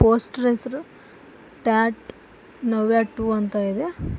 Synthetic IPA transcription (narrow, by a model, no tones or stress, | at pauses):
poːsʈɾesɾu | ʈaːʈ | nɐʋjaːʈːuːɐnt̪aid̪e